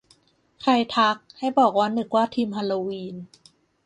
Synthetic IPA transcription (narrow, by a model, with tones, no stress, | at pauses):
kʰa˧jt̪ʰa˦˥k̚ha˥˩jbɔː˨˩k̚waː˧˥˨nːɯ˨˩k̚waː˥˩t̪ʰiː˧mha˧loː˧wiː˧n